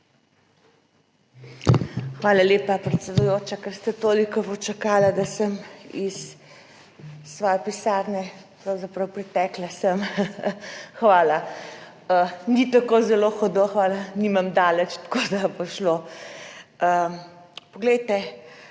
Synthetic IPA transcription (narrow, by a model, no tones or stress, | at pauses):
xʋaːlaleːpapɾɛt̪sɛd̪ujoːt͡ʃakəɾst̪at̪oːlikɔpɔt͡ʃakaːlad̪asəmis | ʋɔjɛpisaːɾnɛ | pɾawzapɾɐwpɾɛt̪ɛklasəm | xʋaːla | ənit̪akozɛloːxɔd̪oxʋaːlanimamd̪aːlət͡ʃt̪kod̪apɔʃlo | ə | pɔɡlɛjt̪ɛ